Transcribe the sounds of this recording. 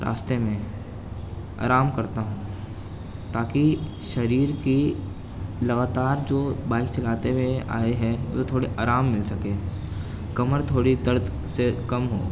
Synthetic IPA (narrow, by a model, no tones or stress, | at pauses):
ɾa̰ːst̪emẽ | a̰ːɾaːmkɐɾt̪aɦũː | t̪aːki | ʃɐɾiːɾki | lɐɡaːt̪aːɾd͡ʒoːbaːɪkt͡ʃɐlaːt̪ewea̰ːeɦɛ̃o̰t̪ot̪ʰoːɽeʔaːɾaːmːɪlsɐkeː | kɐməɾt̪ʰoːɽid̪ɐɾd̪ʱ | sekɐmɦo̰ː